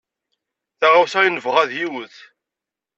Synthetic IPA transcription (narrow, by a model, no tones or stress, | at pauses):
θaʁawθæjinəvʁæðjiwəθ